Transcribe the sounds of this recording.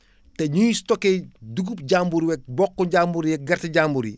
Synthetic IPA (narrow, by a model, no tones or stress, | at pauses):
tɛɲujistɔkːɛduɡup̚ɟambuɾiwɛk̚bɔkːɔɟaːmbuɾijɛk̚ɡɐrtiɟambuɾḭ